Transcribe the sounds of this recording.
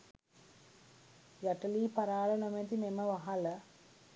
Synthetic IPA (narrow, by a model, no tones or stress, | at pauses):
jɐʈɐliːpɐɾaːlɐnɐment̪imemɐʋɐɦɐlɐ